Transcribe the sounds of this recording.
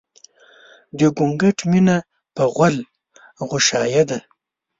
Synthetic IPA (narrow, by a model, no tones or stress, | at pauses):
d̪əɡʊŋɡaʈmina | pəɣwal | ɣʊʃɑjad̪a